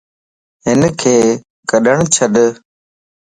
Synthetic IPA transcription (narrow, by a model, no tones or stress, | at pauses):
ɦɪnkʰeː | kəɗəɳ̃t͡ɕʰəɗ